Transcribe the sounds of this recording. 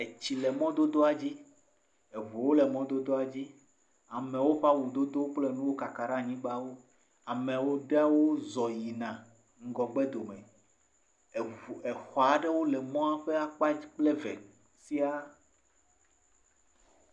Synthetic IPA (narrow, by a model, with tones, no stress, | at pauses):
e˨t͡ɕi˨lɛ˨mɔ̃˦d̪o˦d̪o˦a˨d͡ʑi˦ | e˨vu˨wo˦lɛ˨mɔ̃˦d̪o˦d̪o˦a˨d͡ʑi˦ | a˨mɛ̃˨wo˦ɸa˦wu˨d̪o˦d̪o˦k͡ple˦nũ˦wo˦ka˨ka˨ɾã˦˨ɲĩ˦ɡ͡ba˦wo˦ | a˨mẽ˨wo˦ɖe˦a˦wo˦zɔ˨ji˨nã˨ | ŋ̩˦ɡɔ˨ɡ͡be˦d̪o˨mẽ˨ | e˨xɔ˨a˨ɖe˦wo˦lɛ˨mɔ̃˦a˦ɸe˦a˦k͡pa˦d͡ʑi˦k͡ple˦vḛ˨ | si˦a˦